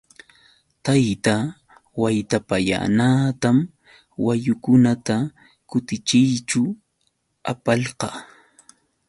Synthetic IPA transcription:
t̪ajt̪a | wajt̪apaja̰naːt̪am | wajʊkʊnat̪a | kʊt̪ɪt͡ʃɪjt͡ʃʊ | a̰pɑʎqɑ

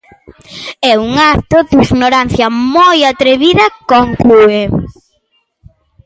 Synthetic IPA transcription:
ɛuŋat̪oðiɣnoɾan̟θjɐmojat̪ɾeβiðɐkoŋkue

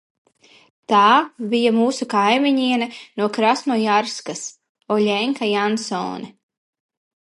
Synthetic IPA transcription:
t̪aːbijamuːsukajmiɲiɛnɐnuɔkɾasmujaɾskas | ɔʎʲɛŋkajansɔ̰ːnɛ

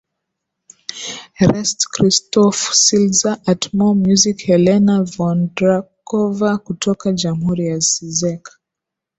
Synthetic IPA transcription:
ɾɛstkɾistɔfsilzaʔatmɔmjuzikhɛlɛnavɔndɾakɔvakutʰɔkad͡ʒamhuɾijasizɛk

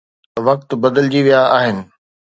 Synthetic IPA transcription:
ʋɐk̚t̪bɐd̪əld͡ʑiʋijaaːɦɪnɪ̆

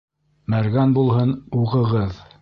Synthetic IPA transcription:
mæɾɡænbulˠhɤnuʁɤ̆ʁɤð

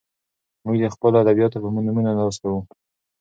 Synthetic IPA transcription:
muɡd̪əxpəlad̪abijɑt̪opəmunuminanɑst̪awu

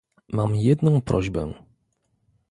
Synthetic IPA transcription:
mamjɛd̪nɔ̃w̃pɾʔɔʑbɛ̰

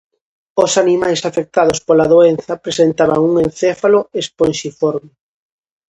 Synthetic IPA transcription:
osanimajsafek̚t̪aðʊspolaðoen̟θɐpɾesent̪aβa̰ŋuŋẽnθefaloesponʃifɔɾmɪ

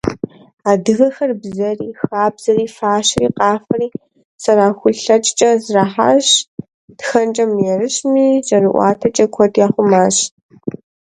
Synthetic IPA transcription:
aːdɨɣɐxɐrbzɐriːxaːbz̥ɐriːfaːɕriːqɑːfɐriː | sɐɾaːxʷʊɬɬɐt͡ʃʼt͡ʃʼɐzraːħa̰ːɕ | d̥xɐnt͡ʃʼɐmjɛrɨɕmiːt͡ʃʼɐrɨʔʷɑ̰ːtʰɐt͡ʃʼɐkʷʰɔdjaːχʷʊmaːɕ

